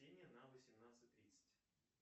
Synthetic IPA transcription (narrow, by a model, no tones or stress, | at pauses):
enʲɪjənavəsʲɪmnat̪sɨt̚ʲt̪ɾʲit̪sə̥tʲ